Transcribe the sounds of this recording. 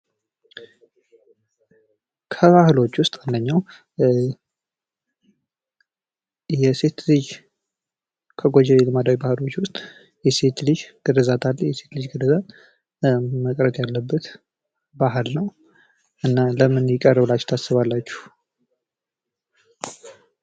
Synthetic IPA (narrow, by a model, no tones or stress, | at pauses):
kʰəβahlo̞t͡ʃːwʊst̪ʼand̪əɲːaw | jɛse̞t̪lɨd͡ʒ | kʰəɡod͡ʒɛlelɨmad̪awibahɨlo̞t͡ʃːwʊst̪ʼ | jɛse̞t̪lɨd͡ʒɡ̥ɨd̪əzat̪ʰaljɛse̞t̪lɨd͡ʒɡɨdəzat̪ | məkʼɾət̪jalːəbːət̪ | baɦlnəw | ʔɨnːaləmɨnjɪkʼərəβɨlat͡ʃːt̪ʰasːɨβalːat͡ʃːu̥h